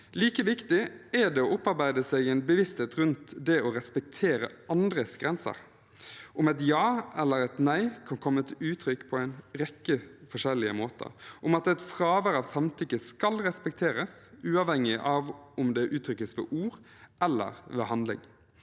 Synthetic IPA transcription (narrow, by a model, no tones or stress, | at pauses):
liːkəʋɪkt̪ɪɛɖɛɔʊpːɑɾbæɪd̪əsɛɡɛɪnbəʋɪst̪heːt̪ɾʉnt̪d̪ɛɔɾɛspɛk̚t̪ʰeːɾə̰ɑnd̪ɾəsɡɾɛnsə̰ɾ | ʊmɛt̪jɑːɛlːəɾɛt̪næɪkʰɑnkʰɔmːət̪ʰɪʉːt̪ʰɾʏkːpʰɔæɪnɾɛkːəfɔʂɛlːɪə̰moːt̪ʰə̰ɾʔʊmɑt̪ɛt̪fɾɑːʋəɾɑʋsɑmt̪ʰʏkːəskɑlɾɛspɛk̚t̪ʰeːɾəsʉːɑʋhɛŋːɪʔɑʋʊmd̪ɛʔʉːt̪ʰɾʏkːəsʋɛ̰ʔuːɾ | ʔɛlːə̰ɾʋɛ̰ɦɑnd̪lɪ̰ŋ